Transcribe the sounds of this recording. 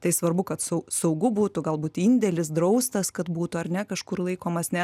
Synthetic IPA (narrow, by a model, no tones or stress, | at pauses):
t̪ɐɪsʋɐrbʊkɐt̪sɐʊsɐʊɡʊbuːt̪ʊɡɐlˠbuːt̪inʲd̪ʲɛlʲɪs̬d̪ɾɐʊst̪ɐskɐt̪buːt̪ʊɐrnʲɛkɐʃkʊrlˠɐɪkoːmɐsnʲɛ